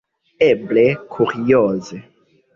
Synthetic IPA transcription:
eblekʰuʁiɔːze

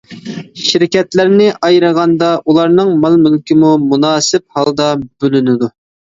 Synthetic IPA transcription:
ʃiɾkʲɛt̪læɾnɪʔɑjɾəʁɑnd̪ɑʔulˠɑɾnɨŋmɑlˠmylkʲɪmumunɑːsɪp̚hɑlˠd̪ɑbølynɪd̪u

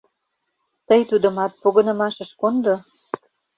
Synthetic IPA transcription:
t̪əjt̪ud̪ə̆mɑt̪̚poɣɤ̆nɤ̆mɑʃə̆ʃkond̪o

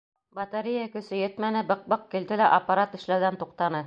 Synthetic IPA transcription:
bɑt̪ɑɾijakɵ̆sɘjɘt̪mænɘbɤq̚bɤq̚kild̪ɘlæʔɐpːɑɾaɑt̪ɘ̆ʃlæðænt̪uqt̪ɑnɤ

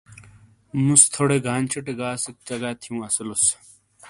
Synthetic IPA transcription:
must̪ʰoɽeɡʱaːnʲt͡ɕʰiʈeɡaːsik̚t͡ɕɐɡaːt̪ʰijũːɐsulus

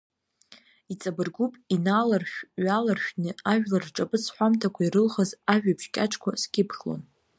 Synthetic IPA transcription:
it͡sʼabɨrɡʷupʼinaːlarʃᶣɥalarʃᶣnɨaʒᶣlarʈ͡ʂʼapʼɨt͡sʰħʷamtʰakʷʰaiɾɨlχəzaʒᶣabʰʃkʲʼaʈ͡ʂʰʼkʷʰasɡʲɪpʰχʲlo̰n

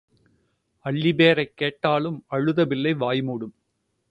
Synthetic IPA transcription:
ɐɭːɪbeːɾɐɪkːeːʈːaːlɯmɐɻɯðɐʋɪlːɐɪʋaːjmuːɽɯm

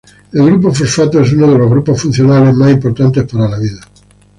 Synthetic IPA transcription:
elɣɾup̬ofoɾfat̪oes̬unoð̞eloɣɾuposfun̟θjonale̞zmasimpoɾt̪ant̪e̞spaɾalaβiða

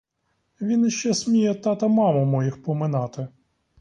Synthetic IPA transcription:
ʋʲinʃt͡ʃɛsʲmʲijɛt̪ɑt̪ɐmɑmʊmɔjixpɔmɪnɑt̪ɪ

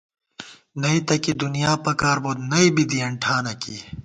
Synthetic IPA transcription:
nɐit̪ɐkid̪unijaːpɐkaːɾboːd̪nɐibid̪iɐɳʈʰaːnɐki

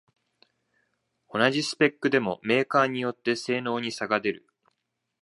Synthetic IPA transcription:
o̞naʑisɨ̥pe̞kːɯ̟d̪e̞mo̞me̞ːkaːɲ̟ijo̞t̪ːe̞se̞ːno̞ːɲ̟isaɡad̪e̞ɾɯ̟

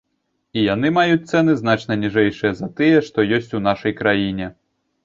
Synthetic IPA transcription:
ijanɨmajut͡sʲt̪sɛnɨznat͡ʂnɐnʲiʐɛjʂɨjɐzɐt̪ɨjɛʂt̪ɔjɔsʲt͡sʲunaʂɐjkɾajinʲɛ

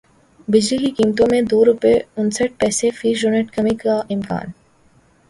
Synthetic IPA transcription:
bɪd͡ʒlikikiːmt̪õmẽd̪oːɾʊpeʊnsəʈ̚pɛːsefiːʒʊneʈkɐmikːaɪmka̰ːn

